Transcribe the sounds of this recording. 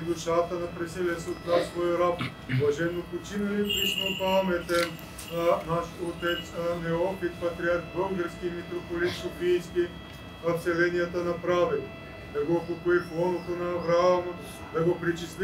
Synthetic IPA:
d̪ʊʃat̪ənɐpɾɛsɛlʲɛsɛot̪nasːvɔjoɾap | vlˠɐʒɛnːopot͡ʃinɐlɛpiʃmopamɛt̪ɛ | naʃt̪ot̪ɛt̪snɛɔpit̪pɐt̪ɾʲiat̪bəlˠɡəɾskʲimit̪ɾopolit̪sofijskʲi | ɐfsɛlɛnijɐt̪ənɐpɾavɛl | d̪ɐɡopokoiplˠɔnot̪onɐːvɾaamɐ | d̪ɐɡopɾit͡ʃist̪lʲi

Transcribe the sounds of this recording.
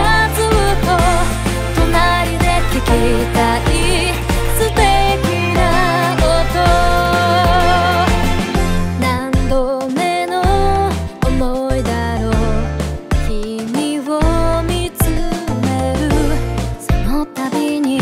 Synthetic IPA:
at͡sɨmɯko | t̪onaɾʲid̪e̞kiket̪aʔi | sɨt̪ekʲinakot̪o | nãnd̪o | menoː | moid̪aɾo | kʲimʲiβomʲit͡sɨmeɾɯ̟sonot̪abʲiɲ̟i

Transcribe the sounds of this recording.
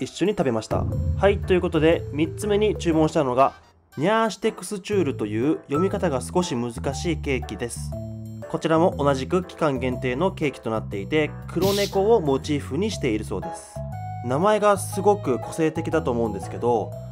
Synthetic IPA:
iɕːo̞ɲ̟it̪abe̞maɕi̥t̪a̰hait̪ːojɯ̟ko̞t̪o̞d̪e̞mʲit͡sɨme̞ɲ̟it͡ɕɨːmõɕi̥t̪ano̞ɡa | ɲʲaɕi̥t̪e̞kːɯ̥sɨt͡ɕɨːɾɯ̟t̪o̞jɯ̟ːjo̞mʲikat̪aɡasɨ̥ko̞ɕimɯ̟zɨkaɕiːke̞ːkʲid̪e̞sɨ̥ko̞t͡ɕiɾamo̞ʔonaʑikɯ̟kʲi̥kãŋɡẽ̞nt̪e̞ːno̞ke̞ːkʲi̥t̪o̞nat̪ːe̞it̪e̞kʰɯ̟ɾo̞ne̞ko̞omo̞t͡ɕiːɸɯ̟ɲ̟iɕi̥t̪e̞iɾɯ̟so̞̰ːd̪e̞sɨ̥namae̞ɡasɨɡo̞kɯ̟ko̞se̞ːt̪e̞kʲid̪at̪o̞ːmo̞ɯ̟̃nd̪e̞sɨ̥ke̞d̪o̞

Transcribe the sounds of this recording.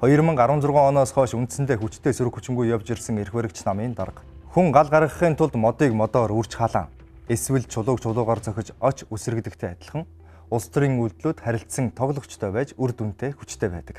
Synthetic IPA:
χɔjɞ̆rmə̆ŋɢaɾwə̆nt͡sʊrʁœːŋɔnɔːsχœːʃunt̪sɘ̆nt̪ʰeːxut͡ɕt̪ʰeːsuɾɘ̆kxu̥t͡ɕɪ̆ŋɡujːawt͡ɕerʲsə̆ŋerxweːɾə̆kt͡ɕʰnamiːnt̪aɾə̆q | xuŋɢaɮɢaɾʁə̆χiːnt̪ʰʊɮt̪mɔt̪iːkmɔt̪ɔːɾur̥t͡ɕχaɮa̰ːŋ | eswɘ̆ɮt͡ɕʰʊɮʊːkt͡ɕʰʊɮʊːʁaːrt͡sœxʲɪ̆t͡ɕɔt͡ɕʰusɘ̆rɘ̆ɣt̪ɘ̆k̚t̪ʰeːat̪ʲɪ̆ɮ̆χə̆ŋ | ʊst̪ʰriːŋuɮt̪ɮuːt̪χæɾʲɪ̆ɬt̪sə̆ŋt̪ʰɔɣɮɞ̆kt͡ɕt̪ʰœːpæːt͡ɕurt̪un̥t̪eːxu̥t͡ɕt̪ʰeːpæ̰ːt̪ə̥̆k

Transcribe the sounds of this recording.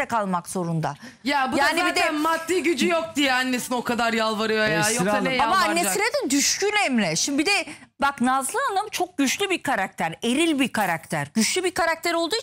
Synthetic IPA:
ɛkalˠmakz̥o̞ɾund̪a̰ | jabujaːnibid̪ɛmadt̪ːiːɟyd͡ʒyjok̚d̪ijɛanːesino̞kad̪aɾjalˠvaɾɯjoajajanɛamaaːeiɾed̪ɛnd̪yʃcynɛmlʲɛʃimbbid̪ɛ | baknaːzlˠɯand̪amɯt͡ʃʰo̞k̚ɟ̥yt͡ʃlʲybiɾkʰaɾak̚t̪ʰæɾe̞ɾilʲbiɾkʰaɾakt̪ʰæɾɟyt͡ʃlʲybiɾkʰaɾak̚t̪ʰæɾo̞lˠd̪uːi

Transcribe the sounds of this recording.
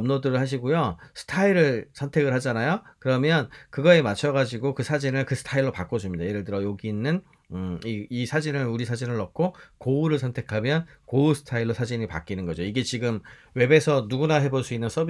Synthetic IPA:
ʌmnodɯɾɯɭhaɕ̬ʰiɡojosʰɯ̥tʰaiɾɯɭsʰʌntʰe̞ɡɯɭɦhad͡ʑanajokɯɾʌmjʌnkɯɡʌe̞mat͡ɕʰʌɣad͡ʑiɡokɯsʰad͡ʑinɯɭkɯsʰɯ̥tʰaiɭːopak͈od͡ʑumɲidajeɾɯɭt̬ɯɾʌjoɡiːnːɯn | iisʰad͡ʑinɯɾuɾisʰad͡ʑinɯɭːʌk̚kʰokouɾɯɭsʰʌntʰe̞kʰamjʌnkousʰɯ̥tʰaiɭːosʰad͡ʑiɲipa̰k͈inɯnɡʌd͡ʑoiɡe̞t͡ɕiɡɯm | we̞be̞sʰʌnuɡunaɦe̞boɭs͈uinːɯns͈ʰʌb

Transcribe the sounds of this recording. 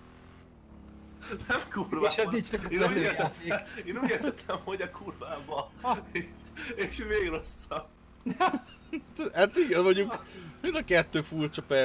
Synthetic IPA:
nɛmkurvad̪it͡ʃ̪ɛkeːnuːeːrɛt̪eeːnuːɟeːrt̪ɛt̪ʰːɛmho̞ɟɒkʰurvaːbɒʃ | eʃʋeːɡro̞sːɒb̚ | t̪hat̪iɡɛnmɒɟukmind̪ɒkɛt̪ːøːfult͡ʃɒpɛ

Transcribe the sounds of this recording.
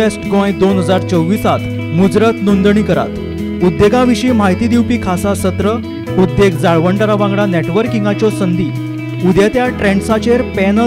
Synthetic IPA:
esʈɡɔ̃jd̪onɦəd͡zaɾt͡səwʋːiːsat̪ | mud͡zɾət̪nond̪ɳ̃iːkəɾa̰t̪ | ud̪ːeɡãʋiɕiːmaɦit̪id̪iwpiːkʰasasət̪ɾə | ud̪ːeɡd͡zaɭʋəɳʈaɾaʋãŋɡɽaneʈʋəɾkiŋɡat͡ɕɔsənd̪iː | ud̪jat̪jaʈɾeɳɖsat͡ɕeɾpenə

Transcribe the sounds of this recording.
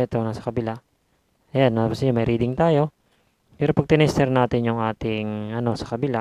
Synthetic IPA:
ɛt̪onasɐ̥kɐbɪla | ɐjanːapʊsɪɲomɐjɾiːd̪ɪŋt̪aːjo̞ | pɛːɾopɐɡ̚t̪ɪnɐʔɪst̪ɛɾnaːt̪ɪnjʊŋaːt̪ɪŋɐno̞sɐ̥kɐbɪla

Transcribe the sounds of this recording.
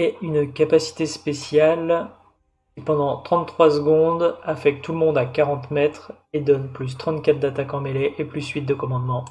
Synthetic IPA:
ɛynkapasi̥t̪espesjal | kʲkʲipɑ̃d̪ɑ̃t̪χɑ̃t̪ːχwasəɡɔ̃d̪afɛk̚t̪ːuləmɔ̃d̪akaʁɑ̃t̪mɛt̪χ | ed̪ɔnplys̬t̪χɑ̃t̪kʲat̪̚d̪at̪akɑ̃meleʔeplysɥit̪̚d̪əkɔmɑ̃d̪mɑ̃

